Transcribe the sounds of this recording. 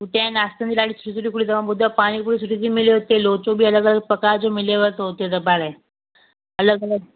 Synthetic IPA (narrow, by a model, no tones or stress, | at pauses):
uʈãnast̪ənd̪ilaɽiːsu̥ʈisuʈiːkuɽiːt̪əʋabud̪ʱapaɽ̃iːkuɽiːsuʈit͡ɕiːmileɦot̪elot͡sobiːələɡələɡ̚pəkad͡zomileʋəɾt̪əɦot̪et̪əbaɾe | ələɡələɡ